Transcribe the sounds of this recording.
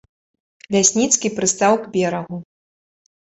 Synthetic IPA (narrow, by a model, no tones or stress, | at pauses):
lʲasʲnʲit̪skʲipɾɨst̪awɡbʲɛɾɐɣu